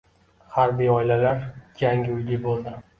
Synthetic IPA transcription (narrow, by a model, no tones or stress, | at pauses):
haɾbijɒɪlalaɾjaŋɡʲɪʊjlɪbolˠd̪ɪ